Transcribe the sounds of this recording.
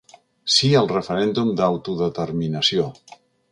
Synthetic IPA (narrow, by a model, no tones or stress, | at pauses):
siəlˠrəfəɾɛnd̪umd̪awt̪uðət̪əɾminəsio